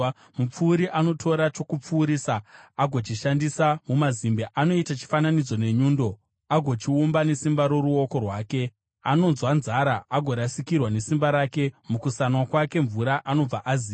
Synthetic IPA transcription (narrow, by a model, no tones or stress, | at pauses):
mup͡fuːɾiʔano̞tʰo̞ɾat͡ʃo̞kup͡fuːɾiːsaaɡʱo̞t͡ʃiʃandisamumazimbeʔano̞itat͡ʃi̥fananid͡zo̞ne̞ɲuːndo̞ | aɡʱo̞t͡ʃiumbane̞simbaɾo̞ɾuo̞ko̞rwaːke̞ | ano̞nzwanzaɾaaɡʱo̞ɾasikirwane̞simbaɾaːke̞mukusanwakwake̞ɱvuɾaʔano̞b͡vaʔaziː